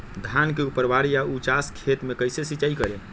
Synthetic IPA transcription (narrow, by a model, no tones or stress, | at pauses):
d̪ʱankeupəɾbaɽjaut͡ʃaskʰet̪mekəjsesit͡ʃaikəɾe